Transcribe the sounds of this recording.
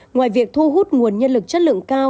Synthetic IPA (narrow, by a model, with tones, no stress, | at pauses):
ŋwaː˨˩jvi˨˩ək̚t̪ʰu˧ɦu˦˥t̚ŋu˨˩ənɲə˧nlɨ˨˩k̚t͡ɕə˦˥t̚lɨ̰˧˨əŋkaː˧w